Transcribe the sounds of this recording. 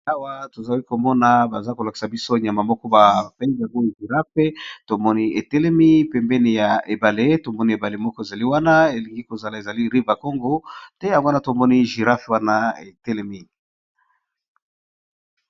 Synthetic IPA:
a˦wa˦to˨za˨li˦ko˨mɔ˦na˦ba˨za˦ko˨la˨ki̥˨sa˨bi˦so˦ɲa˨ma˨mɔ˦kɔ˦ba˨fɛ˦za˨ŋɡo˦i˨ʒi˨ʁa˦fe˦to˨mɔ˦ni˦e˨tɛ˦lɛ˦mi˦pɛ˨mbɛ˦ne˨ja˨ʔe˨ba˨le˦to˨mɔ˦ni˦e˨ba˨le˨mɔ˦kɔ˦e˨za˨li˦wa˦na˦e˨li˨ŋɡi˦ko˨za˨la˨e˨za˨li˦ʁi˦va˨kɔ˦ŋɡo˦tɛ˦ja˨ɡo˦na˦to˨mɔ˦ni˦ʒi˨ɾa˦fe˨wa˦na˦ḛ˨tɛ˦lɛ˦mi˦

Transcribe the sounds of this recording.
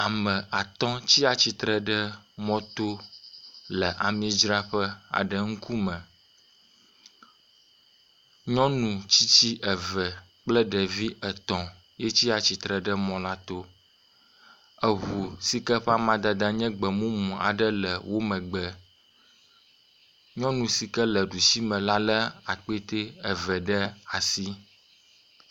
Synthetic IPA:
a˨mə̃˨ʔa˨t̪ɔ̃˦t͡ɕi˦a˨t͡ɕi˦t̪ɾə˨ɖə˦mɔ̃˦t̪o˦ | lə˨ʔa˨mĩ˦d͡ʒɾa˦ɸə˦a̰˨ɖə˦˨ŋ̩˦ku˦mə̃˨ | ɲɔ̃˦nũ˨t͡ɕi˦t͡ɕi˦ʔə˨və˨ | k͡plə˦ɖə˨vi˦ə˨t̪ɔ̃˨ | je˦t͡ɕi˦a˨t͡ɕi˨t̪ɾɛ˨ɖɛ˦mɔ̃˨la˦t̪o˦ | ə˨ɦu˨si˦kɛ˦ɸa˦mã˨d̪a˨d̪ã˦ɲɛ̃˦ɡ͡bɛ˨mũ˦mũ˨a̰˨ɖə˦lə˨wʔo˦mɛ̃˨ɡ͡bɛ˨ | ɲɔ̃˦nũ˨si˨kɛ˦lɛ˨ɖu˨si˦mɛ̃˨la˦lɛ˦a˨k͡pe˦t̪e˦ɛ˨vɛ˨ɖɛ˦a˨si˦

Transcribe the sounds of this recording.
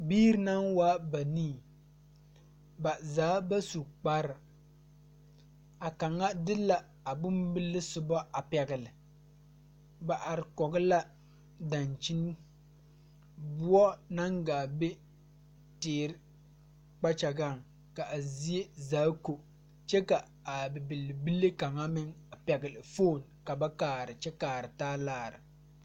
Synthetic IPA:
biː˦ɾɨ˦na˦ŋwaː˦ba˨niː˦˨ | ba˨zaː˨˦ba˦su˨k͡pa˦ɾɨ˨ | a˨ka˨ŋːa˦dɨ˦la˨ | a˨bʊ˦mbɨ˦lːɨ˦sʊ˨bɔ˦a˨pɛ˨ɡɪ˨lɨ˨ | ba˨ʔa˨ɾɪ˨kɔ˨ɡɨ˦la˦ | da˨nt͡ʃi˦n˦ | bʊ˦ɔ˦na˦ŋɡaː˨be˦ | teː˨ɾɪ˦ | k͡pa˦t͡ʃa˨ɡa˦˨ŋ | ka˨ʔa˨zi˦e˦zaː˦ko˨ | t͡ʃɛ˦ka˨ | a˨bɛ˨bɨ˨lbɨ˦lːe˦ka˨ŋa˦mɪ˦ŋa˨pɛ˨ɡɪ˨lɪ˨foː˦˨n | ka˨ba˦kaː˨ɾɨ˨t͡ʃɛ˦kaː˨ɾɨ˨taː˦laː˦˨ɾɨ̰˨

